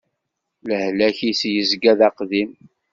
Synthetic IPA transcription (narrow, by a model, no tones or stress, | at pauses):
ləhlæçisjəzɡæðæqðim